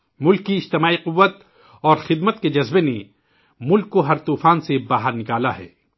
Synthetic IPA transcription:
mʊlkːiɪd͡ʒt̪ɪmaːiqʊʋːət̪ | ɔːɾxɪd̪mət̪ked͡ʒɐzbene | mʊlkːoɦɐɾt̪uːfaːnsebaːɦəɾnɪkaːlaɦɛ̰ː

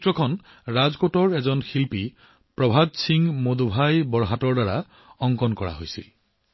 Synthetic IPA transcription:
tɹɔkʰɔn | ɹazkotɔɹɛzɔnxilpi | pɹɔbʱadsiŋmodobʱajbɔɹɦatɔɹdaɹa | ɔŋkɔnkɔɹa̰ɦo̰jsḭl

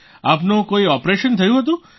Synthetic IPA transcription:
apnũkoiɔpɾeʃənt̪ʰəjũɦət̪̬ũ

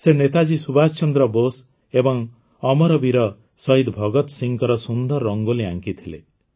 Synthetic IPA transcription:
senet̪ad͡ʒisubast͡ʃɔnd̪ɾɔbos | ebɔŋ | ɔmɔɾɔbiɾɔ | sɔɦid̪bʱɔɡɔt̪siŋkɔɾɔsund̪ɔɾːɔŋɡolia̰ŋkit̪ʰilḛ

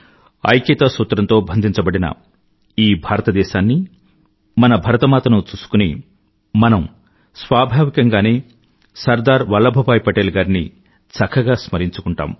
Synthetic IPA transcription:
ɐ̰jkeːt̪ɐsuːt̪ɾɐnt̪o̞ːbʱɐnd̪ʱiɲt͡ʃɐbɐɽinɐ̰ | iːbʱaːɾɐt̪ɐd̪ɛːʃaːnːi | mɐnɐbʱɐɾɐt̪ɐmaːt̪ɐnut͡ʃuːsu̥kuni | mɐnɐm | sʋaːbʱaːʋikɐŋɡaːneː | sɐɾd̪aːɾʋɐlːɐbʱɐbaːjpɐʈeːlɡaːɾini | sɐkʰɐɡaːsmɐɾiɲt͡ʃukuɳʈa̰ːm

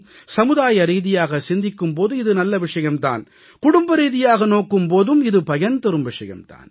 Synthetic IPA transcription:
sɐmɯðaːjɐɾiːðɪjaːɣɐsɪnd̪ɪkːɯmp̬oːðɯɪðɯnɐlːɐʋɪʂɐjɐmt̪a̰ːn | kʊɽʊmbɐɾiːðɪjaːɣɐnoːkːɯmpoːðɯmɪðɯpɐjɐnt̪ɐɾɯmʋɪʂɐjɐ̰mt̪a̰ːn

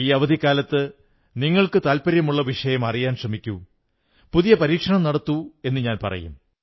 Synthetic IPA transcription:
iːɐʋɐd̪ʱikːaːlɐt̪ːɨ | niŋːɐɭkɨt̪aːlpɐɾjɐmuɭːɐʋiʂɐjɐmɐrijaːnɕrɐmikʲːu | puðijɐpɐɾiːkʂɐɳɐmnɐɽɐt̪ːue̞nːɨɲaːnpɐ̰rɐ̰jṵm

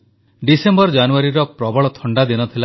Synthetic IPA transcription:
ɖisembɔɾd͡ʒanuaɾiɾɔpɾɔbɔɭɔt̪ʰɔɳɖad̪inɔt̪ʰila

